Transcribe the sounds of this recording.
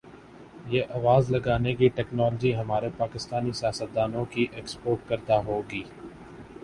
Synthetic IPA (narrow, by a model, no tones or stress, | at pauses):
jeːʔɐʋaːzlɐɡaːnekiʈɛːknɔːləd͡ʒiɦɐmaːɾepaːkɪst̪aːnisjaːsət̪̚d̪aːnõkiʔeːkspoːʈ̚kɐɾd̪aɦoːɡiː